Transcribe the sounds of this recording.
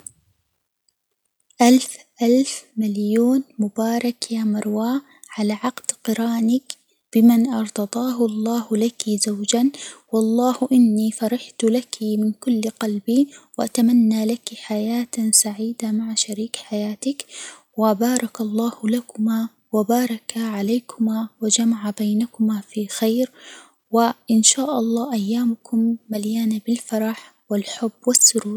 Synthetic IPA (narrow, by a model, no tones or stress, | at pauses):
ʔalfʔalfmaljuːnmʊbɑːɾˤɑkjaːmɑɾˤwaː | ʕalaːʕɑqd̪̥qɨɾaːnɪk | b̥ɪmanʔɑɾˤd̪ɑd̪ˤɑːɦʊʔlˤːɑːhlakizawd͡ʒanwɑlˤːɑːhʔɪnːiːfɑɾˤɑħt̪lakʰimɪnkʊlːqɑlbiwɪʔat̪amanːalakiħajaːt̪saʕiːd̪amaʕaʃaɾiːkħajaːt̪ɪk | wɪbɑːɾˤɑkɑlˤːɑːhlakʊma | wabɑːɾˤɑkaʕalaːkʰʊmawad͡ʒamaʕabajnakʊmafixajɾ | wɪʔɪnʃaːʔɑlˤːɑːʔajːaːmʊkʊmːaljaːnabɪlfɑɾˤɑħ | wɪlħʊbːwɪsːʊɾuːɾ